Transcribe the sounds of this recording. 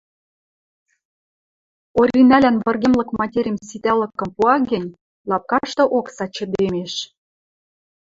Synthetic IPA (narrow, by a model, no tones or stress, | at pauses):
oɾʲinælænβɤ̆rɣemlɤ̆kmɑtʲeɾʲimsit̪ælɤ̆kːɤ̆mpuɑɡɘ̆nʲ | lɑp̚kɑʃt̪ɤ̆ʔoksɑt͡ɕə̆d̪emeʃ